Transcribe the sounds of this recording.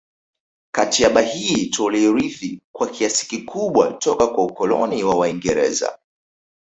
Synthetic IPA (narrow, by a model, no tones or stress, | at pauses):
katiaɓahiːtɔlɛɾiθikwakʰiasi̥kikʰuɓwa̰tɔkakwaukɔlɔ̰niwawaiŋɡɛɾɛ̰za̰